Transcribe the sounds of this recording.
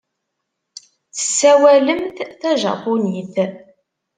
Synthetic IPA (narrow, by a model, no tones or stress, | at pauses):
θə̥sːæwæləmθθæʒɑ̰puniθ